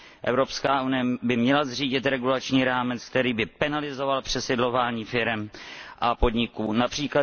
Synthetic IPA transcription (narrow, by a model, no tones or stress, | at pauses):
ʔɛ̰vɾo̞pskaːʔunɪjɛbɪmɲɛlazriːɟɪt̪ɾɛɡulat͡ʃɲiːɾaːmɛt͡sk̚t̪ɛɾiːbɪpɛnalɪzo̞valpr̝̥ɛsɪdlo̞vaːɲiːfɪɾɛmʔapo̞dɲɪkuːnapr̝̥iːkla